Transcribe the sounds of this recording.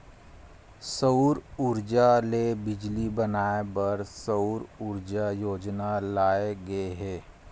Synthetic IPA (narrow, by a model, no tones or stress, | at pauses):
səuɾʊɾd͡ʒalebɪd͡ʒlibɐnaːebɐɾsəʊɾʊɾd͡ʒajoːd͡ʒnalaːeɡɐeɦɛː